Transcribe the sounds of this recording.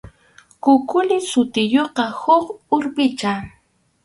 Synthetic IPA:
kʊkʊlɪsʊt̪ɪjoqɑhʊχʊɾpɪt͡ʃa

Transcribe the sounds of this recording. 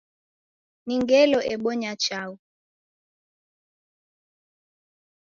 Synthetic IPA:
niŋɡɛlɔʔɛɓɔɲat͡ʃau

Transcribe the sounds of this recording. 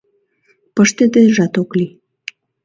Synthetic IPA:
pəʃt̪ed̪eʒɑt̪okli

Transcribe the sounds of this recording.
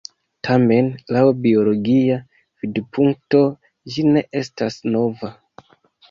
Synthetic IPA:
tʰame̞nlawbio̞lo̞ɡia | v̥idpʰuŋk̚to̞ | d͡ʒine̞ʔe̞stasno̞va

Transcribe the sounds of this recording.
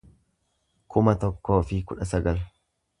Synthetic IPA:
kʰʊmɐt̪ɔkːo̞ːfɪkʊᶑɐsɐɡɐl

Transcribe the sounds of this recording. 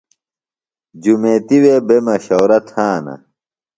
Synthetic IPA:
d͡ʑumeːt̪iweːbemɐɕowɾɐt̪ʰhaːnɐ̰

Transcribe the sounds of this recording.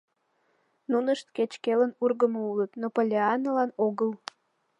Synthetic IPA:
nunəʃt̪ket͡ɕkelənurɣəmoulət̪nopolʲeɑnːəlɑnoɣəl

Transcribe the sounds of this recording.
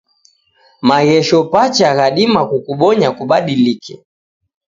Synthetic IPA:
maɣɛʃɔpat͡ʃaɣaɗimakukuɓɔɲakuɓaɗilikɛ̰

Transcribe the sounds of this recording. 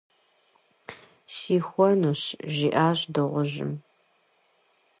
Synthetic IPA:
siːxʷɔnuːɕʒiːʔaːʑdɨʁʷʊʑɪ̰m

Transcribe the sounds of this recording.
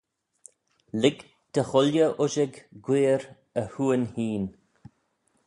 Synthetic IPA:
lɪɡ | d̪̥əxʊljəʔʊʒɪɡɡweːɾ | əhuːənhiːn

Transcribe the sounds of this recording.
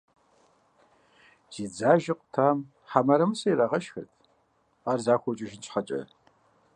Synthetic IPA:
z̥iːd͡zaːʒɪqʷʊ̥tʰaːm | ħamɐɾɐmɨsɐjrɐʁɐʃxɨ̰rtʰ | aːrzaːxʷɔt͡ʃʼɪʒɪnt͡ʃʰħɐt͡ʃʼɐ̰

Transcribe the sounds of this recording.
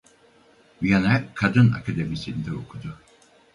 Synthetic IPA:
janɛkʰad̪ɯna̰kʰad̪emisind̪ɛokʰud̪ʊ

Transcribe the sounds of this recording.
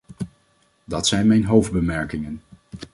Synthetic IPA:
dɑtsɛjnmɛjnɦowvd̚bəmɛɹkɪŋən

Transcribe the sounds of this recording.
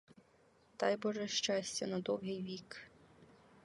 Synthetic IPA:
t̪ɑjbɔʒɛʃt͡ʃɑsʲt͡sʲɐnɐd̪ɔwɦɪjʋʲik

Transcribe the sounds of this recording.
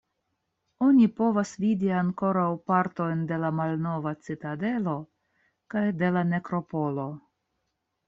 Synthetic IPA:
o̞nʲipo̞vasvidiaŋko̞ɾawpaɾto̞jnde̞lamalno̞vat͡sitade̞lo̞ | kajde̞lane̞kɾo̞po̞lo̞

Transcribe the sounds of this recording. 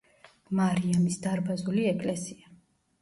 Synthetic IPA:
maɾiamisd̪aɾbazuliɛkʼlɛsia

